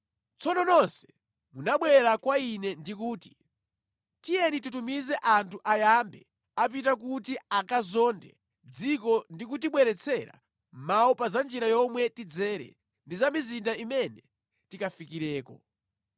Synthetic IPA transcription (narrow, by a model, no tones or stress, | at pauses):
t͡sʰɔnɔnɔnsɛ̥ | munaɓwɛɾakwainɛndikuːti̥ | tijɛnitutumizɛʔantʰuʔajambɛ̰ | ap̬it̬ak̬utiakazɔndɛ̰ | d͡zikɔndik̬utiɓwɛɾɛt͡sʰɛɾa̰ | maɔpazand͡ʒiɾajɔmwɛtid͡zɛːɾɛ̰ | ndizamizindaimɛnɛ | tikafikiɾɛːkɔ̰